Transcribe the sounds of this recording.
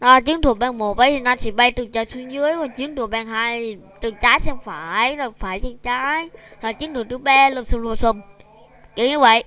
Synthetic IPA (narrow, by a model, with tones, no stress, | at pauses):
ʔaː˨˩t͡ɕɨ˨˦nt̪ʰu˨˩ək̚ɓɛ˧˩ŋmo˨˩t̚ɓə˨˦jʰi˨˩naː˧˩t͡ɕʰi˧˩ɓa˧jt̪ɨ˨˩ŋt͡ɕəː˨˩jswi˧ŋzɨ˨˦˥əjkɔ˨˩nt͡ɕɨ˨˦əŋt̪ʰək̚ɓɛ˧˩ŋɦaː˧j | t̪ɨ˨˩ŋt͡ɕaː˨˦˥jsɛ˧mfaː˧˩jla˨˩faː˧˩jt͡ɕə˧ŋt͡ɕaː˨˦jhaː˨˩t͡ɕɨ˨˦ənt̪ʰu˨˩kt̪ʰɓɛ˧lə˧˩sɨ˧˩ŋlu˧˩əsə˧˩ŋ͡m | ki˧˩ɲɨ˧˩və̰˧˨jʔ